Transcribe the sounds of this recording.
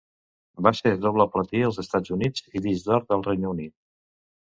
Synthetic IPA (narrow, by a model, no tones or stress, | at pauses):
baseðoβləplət̪iəlˠzəst̪ad͡zunid͡ziβizdɔɾəlˠrɛjnəunit̪̚